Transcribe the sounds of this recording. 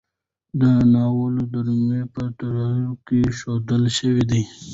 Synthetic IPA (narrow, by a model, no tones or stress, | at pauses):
d̪ənɑwəlod̪aɾmepət̪aɾaokeʃod̪əlʃəwid̪i